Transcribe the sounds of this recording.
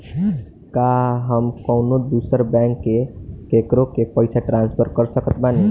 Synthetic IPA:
kaɦəmkɔʊnod̪usəɾbɛ̃ŋkːekekɾõkepəɪsaʈɾãːnspʰəɾkəɾsəkət̪bane

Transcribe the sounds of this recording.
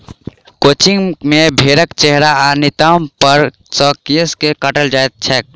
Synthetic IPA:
koːt͡ʃɪŋɡmẽbʱeːɾəkt͡ʃɛɦɾaanɪt̪ampəɾ | sɔːkiəskekəʈəld͡ʒaːt̪̚t͡ʃʰɛk̚

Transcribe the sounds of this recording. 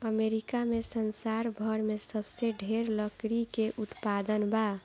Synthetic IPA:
əmeɾikamesənsaɾbʱəɾmesəbseɖʱeɾləkɾikeʔut̪pad̪ənba

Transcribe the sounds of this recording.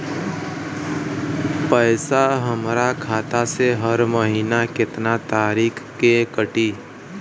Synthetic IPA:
pəːɪsaɦəmɾakʰaːt̪aseɦəɾməɦiːnakɪt̪nat̪aːɾiːkʰkekəʈiː

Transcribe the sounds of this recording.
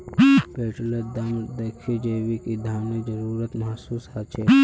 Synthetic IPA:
beːʈled̪amd̪ɐkʰid͡ʒeːʋikid̪ʱaːmnid͡ʒəɾuːɾət̪mɐɦsuːshat͡ʃʰeː

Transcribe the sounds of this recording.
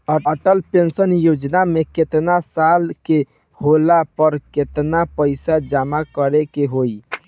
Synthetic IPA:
əəʈəlpensənjod͡ʒnameket̪nasalke | holapəɾket̪napəɪsad͡ʒamakəɾekeɦoi

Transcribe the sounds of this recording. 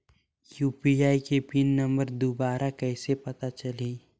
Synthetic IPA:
juːpiaːikepinnə̃mbəɾd̪obaːɾʔakɛːsepɐt̪at͡ʃɐleː

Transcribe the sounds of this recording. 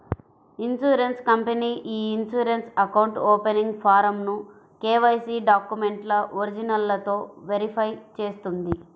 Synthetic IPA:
insuːɾenskɐmpeniːʔiːnsuːɾensɐkɐwɳʈoːpeniŋɡpʰaːɾɐmnu | keːʋɐjsiːɖaːkjume̞ɳʈlɐoɾid͡ʒinɐlːɐt̪o̞ːʋeɾipʰɐjt͡ʃe̞ːst̪und̪i

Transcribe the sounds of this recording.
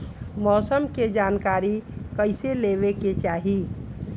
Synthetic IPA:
mɔsəmked͡ʒankaɾikəɪselebeket͡ʃaɦi

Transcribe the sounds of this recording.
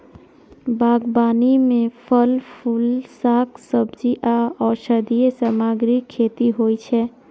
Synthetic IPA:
baːɡbaːnimẽpʰəlpʰulsaksəbd͡ʒiʔaɔːɾsəd̪ijesamaːɡɾikʰːeːt̪iɦoit͡ʃʰɛ

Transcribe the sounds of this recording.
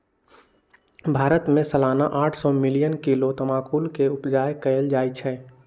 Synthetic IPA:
bʱaːɾət̪mẽsəlaːnaʔaːʈʰsɔmɪlijənkilot̪ɐmaːkuːlkeʊpd͡ʒaːjkəəld͡ʒaːjt͡ʃʰɛː

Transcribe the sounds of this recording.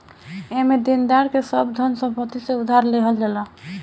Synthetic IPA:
emed̪ind̪aɾkesəbd̪ʱənsə̃pət̪iseud̪ʱaɾleɦəld͡ʒala

